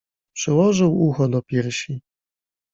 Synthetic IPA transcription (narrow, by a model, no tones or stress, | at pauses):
pʂɛwɔʐɘwuxɔd̪ɔpʲjɛɾɕi